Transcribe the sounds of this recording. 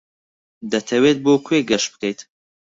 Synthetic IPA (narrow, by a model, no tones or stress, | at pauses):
d̪ɐt̪ʰɐweːt̪̚boːkʰweːɡɐʃbɨkɐjt̪